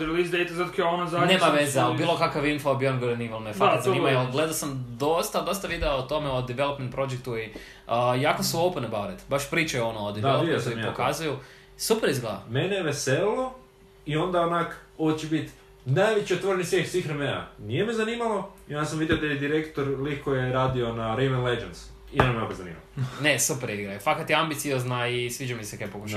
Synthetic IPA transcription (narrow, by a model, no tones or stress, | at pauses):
elizd̪ejt̪azat̪kaonazaneːmaʋezealbiːlokakaʋinfaobionɡoɾenimalmefat̪znimajoɡled̪asamd̪ost̪ad̪ost̪aʋid̪eot̪o̞meod̪iʋelˠopment̪pɾod͡ʒek̚t̪ui | əjaːkosuopənebawɾet̪baʃpɾiːt͡ʃajeonoːd̪iʋelokojipokazuju | supeɾizɡled̪a̰meneʋesello | io̞nd̪aonakot͡ʃebit̪ | najʋet͡ɕiot̪ʋo̞ɾenisjexsʋiːxɾemea̰nijemezaniːmalˠoiond̪asamʋid̪ejod̪ajed̪iɾekt̪oɾlikkojeɾaːd̪io̞naɾejmenled͡ʒent̪s | ionameopɾozanḭːma̰lnesupeɾiɡɾajufakat̪jeambit̪sioznaisʋiːd͡ʒamisekaepokuʃa